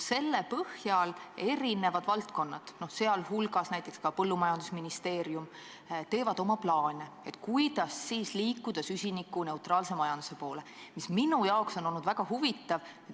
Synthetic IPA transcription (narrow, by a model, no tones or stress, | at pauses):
se̞lːe̞pɤhjɑle̞ɾine̞vɑd̪̥vɑlt̪ko̞nːɑd̪̥no̞hse̞ɑlhulɡ̥ɑsnæjt̪ːˑe̞kskɑpɤlːumɑjɑnd̪̥usminist̪e̞ːɾjum | t̪e̞ːvɑd̪̥o̞mɑplɑːne | et̪ːˑkujd̪ɑsːiːsliːkːˑud̪̥ɑsysʲinikːune̞ut̪ɾɑːlse̞mɑjɑnd̪̥u̥se̞po̞ːle̞misminujɑokso̞nolnud̪væɡ̥ɑɦuvit̪ːˑɑve